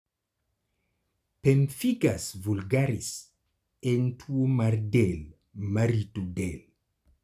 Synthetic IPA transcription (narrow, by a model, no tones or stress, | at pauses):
pemfiɡasvulɡaɾis | ent̪ʰuomaɾdɛl | maɾit̪udel